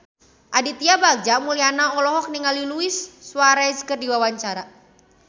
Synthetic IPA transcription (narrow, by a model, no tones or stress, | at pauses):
ʔadit̪iabaɡ̚d͡ʒamulianaɔlɔɦɔk̚niŋaliluisːwaɾaiskərdiwawaɲt͡ʃaɾa